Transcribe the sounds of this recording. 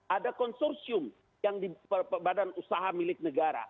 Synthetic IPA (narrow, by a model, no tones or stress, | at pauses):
ʔadakɔnsɔrsiʊm | jaŋdiərpəbadanusaɦamilɪk̚nəɡaɾa̰